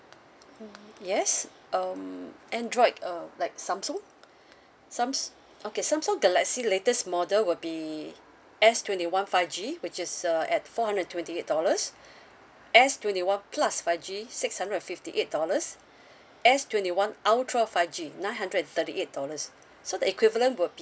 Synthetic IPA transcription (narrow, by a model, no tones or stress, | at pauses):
jɛs | ʌmʔɛ̃ndɹɔɪdʌlaɪk̚sãmsɔ̃ŋ | sãms | okesãmsɔ̃ŋɡɛlɛksiletəsmɔdəlwɪlbi | ɛstʰwɛ̃ntiwãnfaɪfd͡ʒiwɪt͡ʃɪsʌɛt̚fɔhãndə̃tʰwɛ̃ntiet̚dɔləs | ʔɛstwɛ̃ntiwãnpʰlasfaɪvd͡ʒisɪkshãndɹəɛ̃nfiftiʔet̚dɔləs | ʔɛstwɛ̃ntiwãnaʊtʰɹɔfaɪvd͡ʒinãɪj̃nɦãndɹədɛ̃nt̪ətiʔet̚d̥ɔləsː | odəikwivələ̃ntwɪlbi